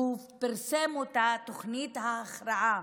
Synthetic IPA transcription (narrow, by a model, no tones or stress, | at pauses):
u | piɾsemut̪at̪oχnit̪haːχɾaʕa